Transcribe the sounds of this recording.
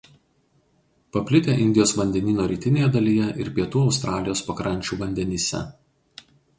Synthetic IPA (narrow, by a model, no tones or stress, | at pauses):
pɐpʲlʲɪt̪ʲeʔɪnʲd̪ʲɪjoːsʋɐnʲd̪ʲɛnʲiːnoːɾʲiːt̪ʲɪnʲeːjɛd̪ɐlʲijɛʔɪɾpʲiɛt̪uːɒʊst̪ɾɑːlʲɪjoːspɐkɾɐnʲt͡ʃʲuːʋɐnʲd̪ʲɛnʲiːsʲɛ̰